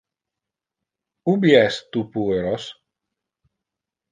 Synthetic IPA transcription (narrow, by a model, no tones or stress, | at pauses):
ubiɛst̪upueɾos